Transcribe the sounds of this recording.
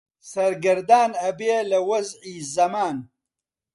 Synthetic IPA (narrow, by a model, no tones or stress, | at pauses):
sɐɾɡɐɾd̪aːnɐbeːlɐwɐzʕiːzɐmaːn